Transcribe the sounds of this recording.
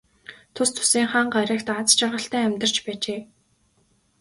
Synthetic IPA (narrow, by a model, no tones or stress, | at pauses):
t̪ʰʊst̪ʰʊ̥siːŋχaːɴɢaɾʲə̆ːkt̪at͡st͡ɕʰarʁə̆ɬt̪æːæmʲt̪ə̆r̥t͡ɕpæːt͡ɕeː